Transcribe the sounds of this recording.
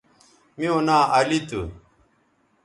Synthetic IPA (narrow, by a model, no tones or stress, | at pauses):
mĩonaːɐlit̪ṵ